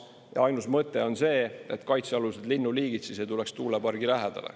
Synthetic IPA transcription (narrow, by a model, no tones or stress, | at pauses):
jɑ̰ɑjnusmɤt̪ːˑe̞o̞nse̞ːet̪ˑkɑjt̪seɑlused̪linːuliːɡid̪sis̬ejt̪ulekst̪uːlepɑrɡilæɦɛd̪̥ɑ̰lḛ